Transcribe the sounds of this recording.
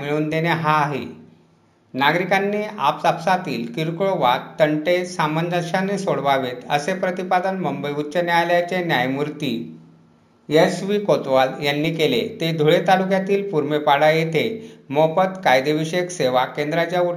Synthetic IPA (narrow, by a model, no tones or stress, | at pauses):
miɭuːnd̪eneɦaːɦḛ | naɡɾikanːiːa̰psapsat̪iːlkiɾkɭoʋatt̪ːəɳʈesaməndəɕanesoɽʋaʋet̪əsepɾət̪ipad̪ənməmbəjutːt͡ɕənjaljat͡ɕenjajmuɾt̪iː | esʋikot̪ʋaljanːiːkelḛt̪ed̪ʱuɭet̪alukjat̪iːlpuɾmepaɽajet̪ʰemopət̪kajd̪eʋiɕekseʋakẽnd̪ɾat͡ɕjau